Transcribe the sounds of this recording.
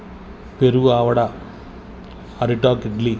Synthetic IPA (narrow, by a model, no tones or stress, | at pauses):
peɾuaːʋɐɽa | ɐɾiʈaːkiɖli